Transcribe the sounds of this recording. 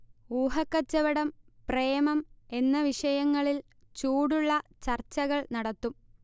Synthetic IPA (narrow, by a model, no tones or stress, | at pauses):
uːɦɐkːɐt͡ɕːɐʋɐɽɐmpreːmɐme̞nːɐʋiʂɐjɐŋːɐɭil | t͡ɕuːɽuɭːɐt͡ɕɐrt͡ɕːɐɣɐɭnɐɽɐt̪ːum